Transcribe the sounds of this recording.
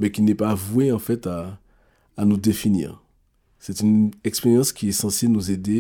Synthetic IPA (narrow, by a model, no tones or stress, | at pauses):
mɛkʲinɛpavweɑ̃fɛt̪aː | nud̪efinḭːʁ | sɛt̪ynɛkspeʁjɑ̃skʲiɛsɑ̃senuzed̪e